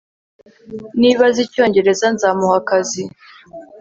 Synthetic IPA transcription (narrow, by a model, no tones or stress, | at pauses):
niːβazico̞ːɲɟe̞ɾe̞zanzaːmuhakazi